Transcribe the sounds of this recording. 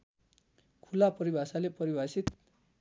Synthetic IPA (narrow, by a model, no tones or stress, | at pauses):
kʰulapʌɾibʱasalepʌɾibʱasit̪